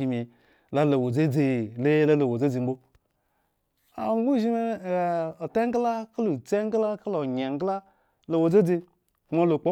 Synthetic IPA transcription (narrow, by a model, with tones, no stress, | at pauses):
i˨me˨ | la˦lo˨wo˨d͡ze˦d͡ze˨le˦la˦lo˨wo˨d͡ze˦d͡ze˨ŋ͡m̩˦o˦ | a̰˨˦u˦ʒi˦me˦˨o˨te˦ŋ˦ɡla˦ka˦lo˨t͡se˦ŋ˦ɡla˦ka˦lo˨ɲe˨ŋ˦ɡla˦ | lo˨wo˨d͡ze˦d͡ze˧ | kma˦lo˨k͡po˦